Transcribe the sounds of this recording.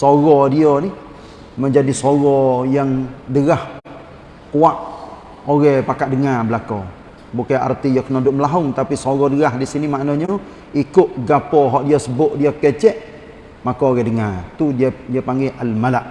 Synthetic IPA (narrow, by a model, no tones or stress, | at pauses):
soɣɔdiɔni | məɲd͡ʒadisoɣɔjaŋdəɣah | kuaʔ | oɣɛpakaʔdəŋabəlako | bukaa̰rt̪ijɔkənodʊʔməlaɦʊŋt̪apisoɣɔdəɣaɦdisinimaʔnɔɲɔ | ikʊʔɡapɔɦɔʔdiɔsəbʊʔdiokɛt͡ʃɛʔ | makɔːɣɛdəŋat̪udiapaŋɡeʔalmalaʔ